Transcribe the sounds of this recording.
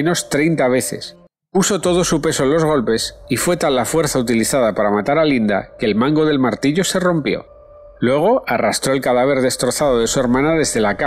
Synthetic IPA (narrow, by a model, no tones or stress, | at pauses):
no̞st̪ɾejnt̪aβ̞e̞θe̞̰s | puso̞t̪o̞ð̞o̞supe̞so̞enlo̞zɣ̞o̞lpe̞sifwe̞t̪alːafwe̞ɾθaut̪iliθað̞apaɾamat̪aɾalind̪a̰ke̞ːlmãŋɡo̞ð̞e̞lmaɾt̪iʎo̞se̞ro̞mpjo̞̰ | lwe̞ɣ̞o̞ʔarast̪ɾo̞e̞lkaðaβ̞e̞ɾðe̞st̪ɾo̞θað̞o̞ðe̞sue̞ɾmãnaðe̞zðe̞laka